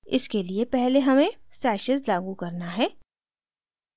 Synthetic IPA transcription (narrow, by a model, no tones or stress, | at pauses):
ɪ̰skeliepɛɦleɦɐmẽsɛːʃəzlaːɡukɐɾnaɦɛː